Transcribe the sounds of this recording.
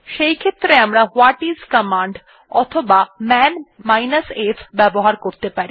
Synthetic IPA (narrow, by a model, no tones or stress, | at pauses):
ʃejkʰet̪ːɾeamɾahwaʈizkəmaɳɖ | ɔt̪ʰobamɛnmajnasefʰbɛboɦaɾkoɾt̪epaɾi